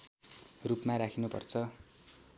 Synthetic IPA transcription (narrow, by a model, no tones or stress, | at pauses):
rupmaɾakʰinupʌ̰rt͡sʰʌ